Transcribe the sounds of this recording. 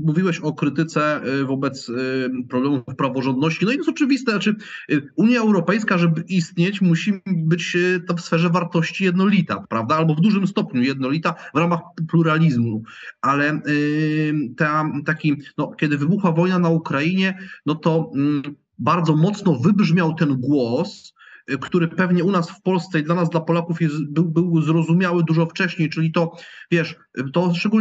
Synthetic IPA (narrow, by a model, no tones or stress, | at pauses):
muvʲiwɛɕɔkɾɘt̪ɘt̪sɛvɔbɛt̪spɾɔblɛmufpɾavɔʐɔnd̪nɔɕt͡ɕinɔijɛsɔt͡ʂɘvʲist̪ɛnat͡ʂɘuɲjaɛwɾɔpɛjskaʐɛbɘʔist̪ɲet͡ɕmuɕibɘt͡ɕt̪ɔfsfɛʐɛvaɾt̪ɔɕt͡ɕijɛd̪nɔlʲit̪a̰pɾavd̪aalbɔvd̪uʐɘmst̪ɔpɲujɛd̪̚nɔlʲit̪avɾamaxpluɾalʲizmualɛ | t̪at̪akʲinɔkʲjɛd̪ɘvɘbuxwavɔjnanaukɾaiɲɛnɔt̪ɔ | baɾd̪zɔmɔt̪snɔvɘbʐmʲjawt̪ɛnɡwɔs | kt̪uɾɘpɛvɲɛunasfpɔlst̪sɛid̪lanazd̪lapɔlakufjɛst̪bɘwbɘwzɾɔzumʲjawɘd̪uʐɔft͡ʂɛɕɲejt͡ʂɘlʲit̪ɔvʲjɛʂ | t̪ɔʂt͡ʂɛɡu